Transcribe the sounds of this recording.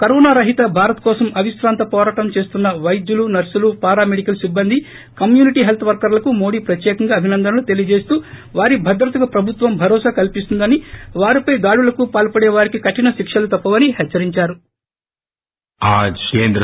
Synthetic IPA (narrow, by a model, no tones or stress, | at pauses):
kɐɾɔːnaːɾɐɦit̪ɐbʱaːɾɐt̪kɔːsɐmʔɐʋiʃɾaːnt̪ɐpɔːɾaːʈɐmt͡ʃe̞ːst̪unːɐʋɐjd̪julunɐɾsulupaːɾaːmeɽikɐlsibːɐnd̪ʱi | kɐmjuːniʈiːɦelt̪ʰɐʋɐɾkɐɾlɐkumo̞ːɽiːpɾɐt̪jɛːkɐŋɡaːbʱinɐnd̪ɐnɐlut̪e̞lijɐd͡ʒe̞ːst̪uː | ʋaːɾibʱɐd̪ɾɐt̪uɡɐpɾɐbʱut̪ʋɐmbʱɐɾɔːsakɐlpist̪und̪ɐniʋaːɾipɐjd̪aːɽulɐkupaːlpɐɽɛːʋaːɾikikɐʈːinɐʃikʂɐlut̪ɐpːɐʋɐniɦɛt͡ʃːɐɾiɲt͡ʃaːɾu | aːd͡ʒkeːnd̪ɾɐ